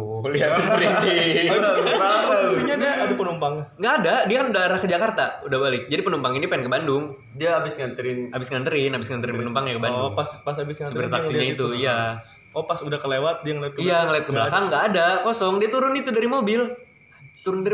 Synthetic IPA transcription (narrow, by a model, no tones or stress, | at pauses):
liat̪ɾint̪i | iɲadaabipənumpaŋŋɡaːdadiakanudaɾahkəd͡ʒakart̪audahbalɪk̚d͡ʒadipənumpaŋinipaɪnkəbandʊŋ | diaabɪsŋant̪əɾɪnabɪsŋant̪əɾɪnabɪsŋant̪əɾɪnpənumpaŋɲakəbandŋaspasabɪsasuəɾt̪aksiɲait̪uija | opasudahkəlewat̪̚diaŋəliat̪kəijaŋəliat̪̚kəblakaŋɡaːdakɔsɔŋdiat̪uɾʊnit̪udaɾimobɪl | t̪uɾʊndaɾ